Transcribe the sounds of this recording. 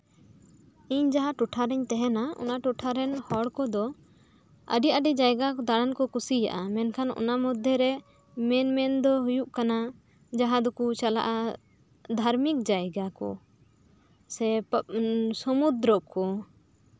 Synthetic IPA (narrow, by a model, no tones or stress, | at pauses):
iɲd͡ʒaɦaʈuʈʰaɾɛɲt̪ɛɦɛnaɔ̰naʈuʈʰaɾɛnhɔɽkɔd̪ɔ | ə̰ɖiʔəɖɛd͡ʒajɡakɔd̪aɽankɔkusija̰ʔamɛnkʰanɔ̰namɔd̪ʱːɛɾɛ | mɛnmɛnd̪ɔɦujuʔkana | d͡ʒaɦãd̪ɔkut͡ʃala̰ʔa | d̪ʱaɾmik̚d͡ʒajɡakɔ̰ | sɛ | sɔmud̪ɾɔʔkɔ